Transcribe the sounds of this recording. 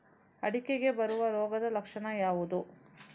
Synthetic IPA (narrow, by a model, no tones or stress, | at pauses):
ɐɽikeɡe̞bɐɾuʋɐɾɔːɡɐd̪ɐlɐkʂɐɳɐjaːʋud̪u